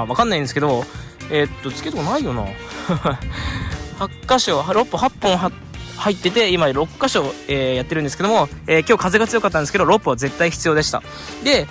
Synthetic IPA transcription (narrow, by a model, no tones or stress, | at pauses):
βakanːaĩnd̪sɨ̥ke̞d̪o̞ | e̞t̪ːo̞t͡sɨ̥kʲet̪okonaijo̞na̰ | hakːaɕoɦɾo̞pːɯ̟hapːõ̞ɰ̃ | hait̪ːe̞t̪e̞imaɾo̞kːaɕo̞eːjat̪ːɾɯ̟̃nd̪esɨ̥ke̞d̪omo̞eːkʲo̞ːkazeɡat͡sɨjokat̪ːand̪esɨked̪o̞ɾo̞pːɯ̟βaze̞t̪ːaiçi̥t͡sɨjo̞ːd̪e̞ɕi̥t̪a̰ | d̪e̞